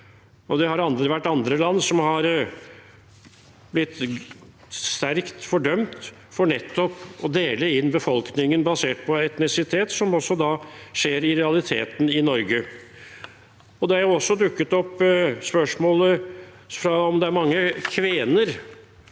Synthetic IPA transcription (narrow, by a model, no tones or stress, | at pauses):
ɔd̪ɛhɑɾɑnd̪ɾəʋæʈːɑnd̪ɾəlɑnːsɔmhɑɾ | blɪt̪ː | st̪æɾkt̪fɔɖœmt̪ | fɔɳɛt̪ːɔpɔd̪eːləɪnːbəfɔlknɪŋənbɑseːʈpʰɔɛt̪nɪsɪt̪ʰeːt̪sɔmɔsːɔd̪ɑːʂeːɾɪɾɛɑlɪt̪ʰḛːt̪n̩ɪnɔɾɡə | ɔd̪ɛæɾjʊɔsːɔd̪ʉkːət̪ɔpːspœʂmoːlə | fɾɑɔmd̪ɛæɾmɑŋːəkʰʋeːnəɾ